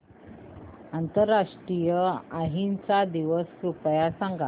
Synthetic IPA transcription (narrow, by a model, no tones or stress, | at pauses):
ant̪əɾːaʂʈɾijəaɦint͡sad̪iʋəskɾupjasãŋɡa